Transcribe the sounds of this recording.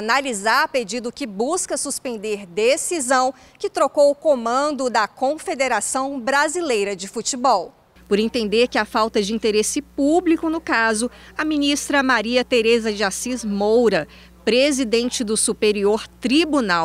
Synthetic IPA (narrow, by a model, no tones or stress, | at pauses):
nalizaɾɐped͡ʒid̪ʊkɪbuskɐsuspẽnd̪eɾd̪esizɐ̃w̃ | kɪt̪ɾokowʊkõmɐ̃nd̪ʊd̪ɐkõfed̪eɾasɐ̃w̃bɾazilejɾɐd͡ʒɪfut͡ʃibɔw | pʊɾẽnt̪ẽnd̪eɾkɪafawt̪ɐd͡ʒɪĩnt̪eɾesɪpublikʊnʊkazʊ | ɐmĩnist̪ɾɐmaɾiɐt̪eɾezɐʒiasizmowɾɐ | pɾezid̪ẽnt͡ʃɪd̪ʊsupeɾioɾt̪ɾibunaw